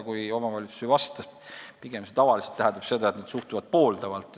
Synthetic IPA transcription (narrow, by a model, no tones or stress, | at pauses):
kujo̞mɑvɑlʲit̪su̥sivɑst̪ɑpiɡ̥emset̪ɑvɑliselt̪ːæɦæ̃nd̪ɑb̥se̞d̪ɑet̪neːt̪suht̪uvɑd̪̥̚po̞ːld̪̥ɑvɑlt̪ːˑ